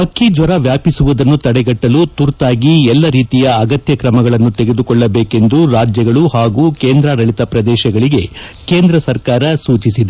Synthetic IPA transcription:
pɐkʰːid͡ʒʋɐɾɐʋjaːpisuʋud̪ɐnːut̪ɐɽɛɡɐʈːɐlut̪uɾt̪aːɡiɛlːɐɾiːt̪ijɐːɡɐt̪jɐkɾɐmɐɡɐɭɐnːut̪e̞ɡe̞d̪ukɔɭːɐbeːke̞nd̪uɾaːd͡ʒjɐɡɐɭuhaːɡuːkeːnd̪ɾaɾɐɭit̪ɐpɾɐd̪ɛːʃɐɡɐɭiɡe̞ | ke̞ːnd̪ɾɐsɐɾkaːɾɐsuːt͡ʃisid̪e

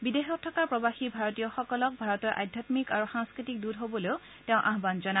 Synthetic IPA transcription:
bidexɔk̚tʰɔkapɹɔbaxibʱaɹɔtijɔxɔkɔlɔk̚bʱaɹɔtɔɹʔa̰dʱjatmikaɹuxãŋskɹitik̚dudɦobɔleʊ | teʊ̃ʔaɦbanzɔna

